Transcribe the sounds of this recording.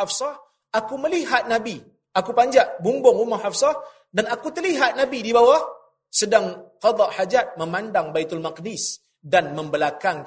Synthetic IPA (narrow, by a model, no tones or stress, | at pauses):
afsɑh | akuməliɦat̪̚nabi | akupaɲd͡ʒaʔbumbɔŋumahafsɑh | danakut̪ərliɦat̪̚nabidibawah | sədaŋqɑd̪ˤɑʔħad͡ʒat̪̚məmandaŋbait̪almaqdis | danməmbəlakaŋ